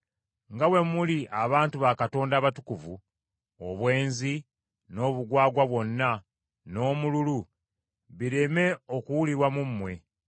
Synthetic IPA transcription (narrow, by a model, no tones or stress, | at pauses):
ŋɡawe̞muliʔaβaːntuβakato̞ːndaːβatukuvu | oβwe̞ːnzi | no̞ːβuɡwaːɡwaβwo̞nːa | no̞ːmululu | βiɾe̞me̞okuwuliɾwamumːwe̞